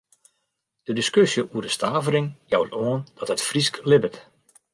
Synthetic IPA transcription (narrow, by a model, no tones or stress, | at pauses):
d̥ədiskøsjəʔuədəstʰaːvərɪŋjawtoənd̥ɔtətfrisklɪbət